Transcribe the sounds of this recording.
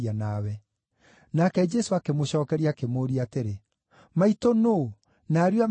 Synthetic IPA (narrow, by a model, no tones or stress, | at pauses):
anawɛ | nakɛd͡ʒɛsoakemoɕɔːkɛɾiakemoːɾiateɾe | maitono | naɾjwam